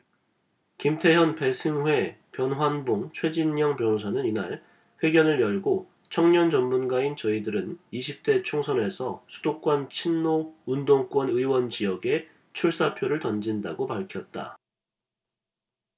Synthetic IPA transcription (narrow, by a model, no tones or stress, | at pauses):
kimtʰe̞jʌnpe̞sʰɯŋwe̞pjʌnɦwanboŋt͡ɕʰwe̞d͡ʑinːʌŋpjʌnosʰanɯnina̰ɭ | ɸwe̞ɡjʌnɯɭjʌɭɡo | t͡ɕʰʌŋɲʌnt͡ɕʌnmunɡaint͡ɕʌidɯɾɯniɕʰip̚t͈e̞t͡ɕʰoŋsʰʌne̞sʰʌsʰu̥dok̚k͈wʌnt͡ɕʰinːoundoŋk͈wʌnɯiwʌnt͡ɕijʌɡe̞ | t͡ɕʰuɭs͈apʰjoɾɯɭtʌnd͡ʑinda̰ɡopaɭkʰjʌt̚t͈a̰